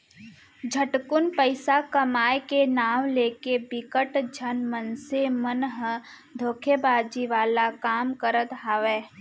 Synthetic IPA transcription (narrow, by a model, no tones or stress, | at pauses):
d͡ʒʱəʈkʊnpəɪsakɐmaːjkenaːwleːkebɪkəʈd͡ʒʱənmənsemənɦ | d̪ʱoːkʰebaːd͡ʒiʋaːlakaːmkəɾət̪ɦaːʋeː